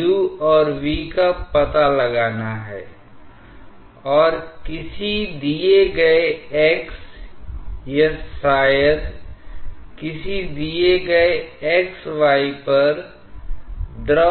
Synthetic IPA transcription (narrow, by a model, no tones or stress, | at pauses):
uɔːɾʋiːkappːɐt̪alɐɡaːnaɦɛ̰ː | ɔːɾkɪsid̪ieɡɐeeːks | jeaːjəɾ | kɪsid̪ieɡɐeeːksʋaːipɐɾ | d̪ɾə